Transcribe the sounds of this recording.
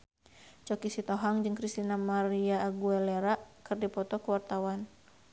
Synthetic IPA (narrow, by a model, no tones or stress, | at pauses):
t͡ʃɔkisit̪ɔɦaŋd͡ʒɨŋkɾist̪inamaɾiaːɡuɛleɾaʔkɨrdipɔt̪ɔkuwart̪awan